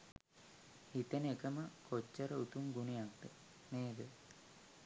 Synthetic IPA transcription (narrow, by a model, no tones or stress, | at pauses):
hit̪ənekəməkʰot͡ʃːəɾəut̪umɡunijak̚d̪ə | meːd̪ə